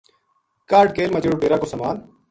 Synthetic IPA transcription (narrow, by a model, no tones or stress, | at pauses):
kaːɾɖ̚keːlmɐd͡ʑeːɽuʈeːɾaːkoːsɐmaːn